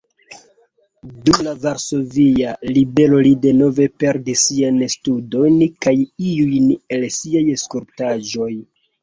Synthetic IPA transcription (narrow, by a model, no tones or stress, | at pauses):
dumlavaɾso̞vialibe̞lo̞lide̞no̞ve̞pe̞ɾdisianstudo̞jnkajiujne̞lsiajeskuɾptaʒo̞j